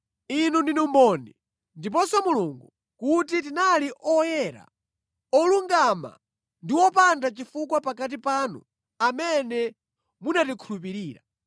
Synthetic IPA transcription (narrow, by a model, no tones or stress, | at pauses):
inundinumbɔni | ndipɔsɔmuluŋɡu | kutit̬inaliʔɔjɛɾa̰ | ɔluŋɡama̰ | ndiwɔpandat͡ʃifukwapakat̬ipanṵ | amɛnɛ | munatikʰulup̬iɾiːɾa